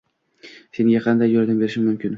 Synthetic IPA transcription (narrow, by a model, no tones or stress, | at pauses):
se̞ŋɡʲaqʰɑnd̪ajːold̪ɪmbe̞ɾɪʃɪnmʊmkʲɪn